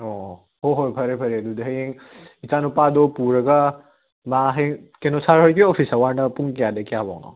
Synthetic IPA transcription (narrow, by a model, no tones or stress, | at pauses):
o | hoɦojpʰɐɾepʰɐɾeɐdudɐɦɐjeŋ | it͡ʃanupadopuɾɐɡa | maɦeŋkenosʰaɾɦojkiopʰisɐwaɾnɐpuŋkijadekijaba̰ŋnɔ̰